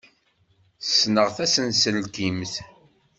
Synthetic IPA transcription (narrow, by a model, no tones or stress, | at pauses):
snəʁθæsənsəlɡimθ